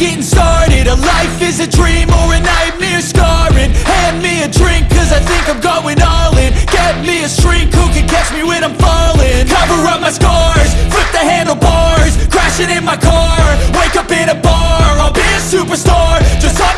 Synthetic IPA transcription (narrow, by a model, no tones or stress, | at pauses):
ɡ̥ɛ̃n̩stɑɹɾɪɾəlaɪfɪzɨdɹĩməɹɨnaɪmɪɨskɑɹɪ̃nhæmiɨdɹɪ̃ŋkʰːʌzaɪθɪ̃ŋkãɪvɡoʊɪ̃ŋɔlˠɪ̃nɡ̥ɛɾnmiɨstɹ̥ɪ̃ŋkhukɨ̃nkʰæt͡ʃmiwɨ̃ðãɪ̃ɱfɑlˠɪ̃ŋkʰʌvə˞ʌmaɪskɑɹɹz̥fʰɪt̪̚ðɨɦæ̃ndʌvbɑɹz̥ʰɹ̥æʃɪ̃ŋɪ̃nmaɪkʰɑɹweɪkʌpɪ̃nɨbɑaɪbiɨsʉpə˞stɑɹd͡ʒ̥ʌst